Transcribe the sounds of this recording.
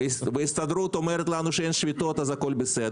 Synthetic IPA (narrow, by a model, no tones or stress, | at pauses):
vɨɪst̪ɐd̪ɾut̪ɔmɛɾət̪lˠanʊʂɛnʲʂvʲɪt̪ot̪ɐzɐkolʲbʲɪsɛd̪